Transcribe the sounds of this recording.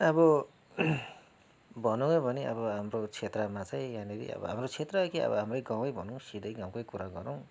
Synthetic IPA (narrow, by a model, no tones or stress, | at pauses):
ʌbʌ | bʌnoŋebʱʌniʌ̰bʌɦamɾot͡sʰet̪rʌmat͡saj̃janiɾḭʌ̰bʌ̰ɦa̰mɾot͡sʰet̪rʌkiʌ̰bʌ̰ɦamrʌjɡãw̃ʌjbʱʌnuŋsid̪ʱʌjɡãw̃kojkuɾaɡʌɾoŋ